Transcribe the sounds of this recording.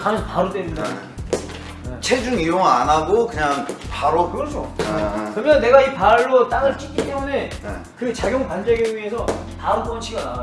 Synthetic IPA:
kanesʰʌpaɾot͈eɾindae | et͡ɕʰe̞d͡ʑuŋijoŋa̰naɡokɯɲaŋpaɾokɯɡʌɭs͈uʌpekɯɾʌmjʌnːe̞ɡaipaɭːot͈aŋɯɭt͡ɕ͈ik͈it͈e̞mune̞ | kɯt͡ɕaɡjoŋpand͡ʑeɡeɥie̞sʰʌ | paɾop͈ʌnt͡ɕʰiɡana

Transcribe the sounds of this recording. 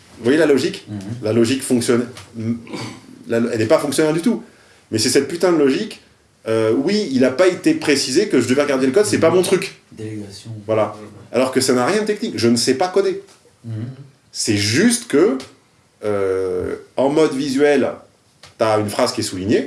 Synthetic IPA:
vwajelalɔʒiklalɔʒikfɔ̃ksjɔn | lalɛlɛpafɔ̃ŋksjɔnɛʁd̪yt̪u | mɛsɛsɛt̪̚pyt̪ɛ̃d̪lɔʒik | øwiilapaet̪epχesizekəʒəd̪əvɛʁəɡaʁd̪eləkɔd̪sɛpamɔ̃t̪χyk̪ | vwalaalɔʁkəsanaʁjɛ̃d̪ət̪ɛknikʒənəsɛpakɔd̪e | sɛʒyst̪kə | ø | ɑ̃mɔd̪vizɥɛl | t̪yaynfχaz̥kʲiɛsuliɲe

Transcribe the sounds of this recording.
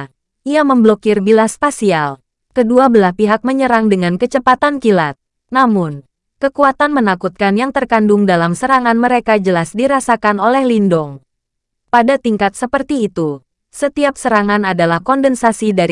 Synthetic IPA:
ʔiaməmblokirbilaspasial | kəduabəlahpiɦak̚məɲəɾaŋdəŋankət͡ʃəpat̪ankilat̪̚ | namʊn | kəkuat̪anmənakut̪̚kanjaŋt̪ərkandʊŋdalamsəɾaŋanməɾekad͡ʒəlasdiɾasakanolɛhlindɔŋ | padat̪iŋkat̪̚səpərt̪iːt̪u | sət̪iap̚səɾaŋanadalahkɔndənsasidaɾi

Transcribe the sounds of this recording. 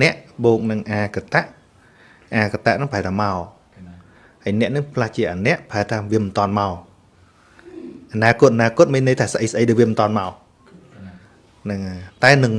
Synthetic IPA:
nɛ̆əʔɓoːk̚nɨŋʔaːkat̪aʔ | ʔaːkat̪aʔnɨŋpʰaɛlt̪ʰaːmaɔ | həjnɛ̆əʔnɨŋpʰlaht͡ɕiəʔaːnɛ̆əʔpʰaɛl̚t̪ʰaːʋiəmɨnt̪ŏənmaɔ | ʔanaːkʊ̆ət̪̚ʔanaːkʊ̆ət̪̚miːnːɨjt̪ʰaːsəʔəjsəɗəjɗəːʋiəmɨnt̪ŏənmaɔ | nɨŋat̪aɛnɨŋ

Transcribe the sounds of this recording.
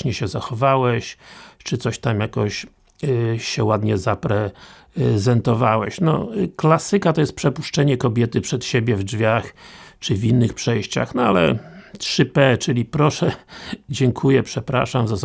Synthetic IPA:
ɲɛɕɛzaxɔvawɛɕt͡ʂɘt̪sɔɕt̪amjakɔɕ | ɕɛwad̪ɲɛzapɾɛ | zɛnt̪ɔvawɛɕnɔ̰klasɘkat̪ɔjɛst̪̚pʂɛpuʂt͡ʂɛɲɛkɔbʲjɛt̪ɘpʂɛt̪ɕebʲjɛvdd͡ʐvʲjaxt͡ʂɘvʲinːɘxpʂɛjɕt͡ɕa̰xnɔalɛ̰tʂɘpɛt͡ʂɘlʲipɾɔʂɛd͡ʑɛŋkʰujɛpʂɛpɾa̰ʂamzaz

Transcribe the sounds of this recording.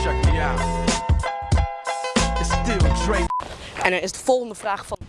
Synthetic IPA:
ɛk̚miaʊt̚ | ɪtstɪlˠtʰɹeɪɛ̃nəɹɪsdəfɔlˠχəndəfraːχfɑ

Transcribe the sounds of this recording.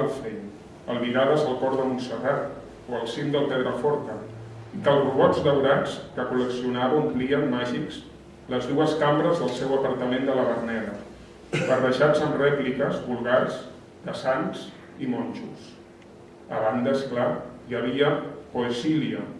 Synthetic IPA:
əlˠfɛʎ | əlˠβiɾaðəzəlˠkɔɾðəmunsərat̪ | oəlˠsimd̪əlˠpɛðɾəfɔɾt̪əikəlˠruβɔzðəwɾat͡skəkuləksiunaβəuŋkliəmmaʒiks | ləzðuəskambɾəzðəlˠsɛwəpəɾt̪əmend̪ələβərnɛlə | bərəʒad͡zəmrɛplikəzβulˠɣarz | d̪̥əsaŋs | imɔnʲʒus | əβand̪əsklajəβ̞iəoesiliə

